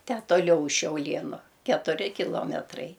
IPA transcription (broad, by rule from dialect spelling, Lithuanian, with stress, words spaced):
tʲæː toːˈlʲɛʊ ʊʃ ʃʲɛʊˈlʲiɛnʊ kʲɛtʊˈrʲɪ kʲɪˈlˠoːmʲɛtrɐɪ